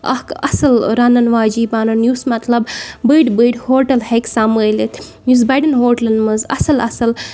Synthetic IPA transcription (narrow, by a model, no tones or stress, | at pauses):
ɐ̰hkɐsɐlɾɐnɐnʋaːd͡ʒiːbaːnɐnjusmɐt̪lɐbbəjɖbəjɖhoːɾʈɐlheksaːməjlit̪ | jus̬bɐjɖɐnɦoːɾʈlɐnɖmɐzɐ̰sɐlɐ̰sɐl